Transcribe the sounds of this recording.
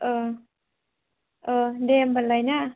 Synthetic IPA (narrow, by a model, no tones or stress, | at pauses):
ʔəː | ʔəːdɛmbalːajna